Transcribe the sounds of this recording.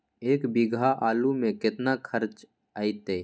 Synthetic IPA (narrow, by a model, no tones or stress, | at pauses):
eːkbɪɡʱaʔaːlumẽkɪt̪nakʰəɾt͡ʃ | aːit̪eː